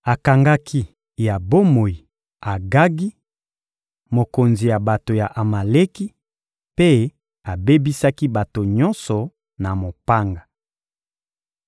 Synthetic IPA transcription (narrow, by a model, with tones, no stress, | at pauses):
a˨ka˨ŋɡa˦kʰi˦ | ja˨bo˦mo˨ji˨ | a˨ɡa˦ɡi˦ | mo˨ko˨nzi˨ja˨ba˨to˨ja˨ʔa˨ma˨le˦ki˦ | pe˦ | a˨be˦bi˦sa˦ki˦ba˨to˨ɲɔ˦nsɔ˨ | na˨mo˨pa˦ŋɡa˨